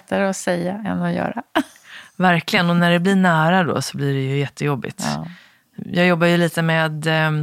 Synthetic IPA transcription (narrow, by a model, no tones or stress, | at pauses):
t̪ːaɾəɔsɛjːaɛ̰nːɔjœ̰ːɾa | væɾklɪɡənɔnæɖɛblɪɳæːɾad̪o̰sɔblɪɖɛjɵjɛt̪ʰːəjɔbːɪ̰t̪ | jɑːɡjɔbːajɵliːt̪əmeːd̪